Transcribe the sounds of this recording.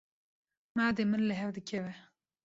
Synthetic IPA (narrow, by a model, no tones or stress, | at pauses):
maːd̪emɨnlɨɦɛvd̪ɨkʰɛvɛ